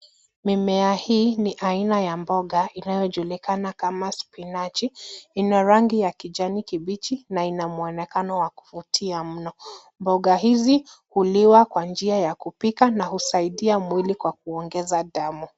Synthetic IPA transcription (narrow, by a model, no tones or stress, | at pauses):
mimɛahiːniʔainajambɔɠaʔinajɔʄulikanakamaspinat͡ʃiinaɾaŋɡijakiʄanikiɓit͡ʃinainamuɛnɛkanɔwaku̥futʰiam̩nɔ | mbɔɠaɦizihuliwakwand͡ʒiajakupikanahusaiɗiamwilikwak̚uɔŋɡɛzaɗamu